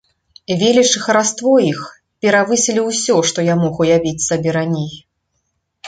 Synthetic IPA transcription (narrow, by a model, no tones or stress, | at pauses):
vʲelʲit͡ʂɨxɐɾast̪vɔix | pʲɛɾavɨsʲilʲiwsʲɔʂt̪ɔjamɔɣujavʲit͡sʲsabʲɛɾanʲej